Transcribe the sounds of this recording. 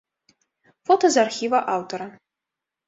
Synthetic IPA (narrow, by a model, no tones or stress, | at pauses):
fot̪ozarxʲivɐʔawt̪ʰoɾa